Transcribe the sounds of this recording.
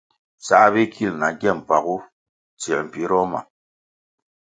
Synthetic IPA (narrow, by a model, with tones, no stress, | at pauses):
sa˦bi˦kʰi˦lna˨ɡɛ˦˨m˨pa˨ɣu˦ | t͡sɛ˨m̩˨pi˨˦ɾɔ˦ma̰˨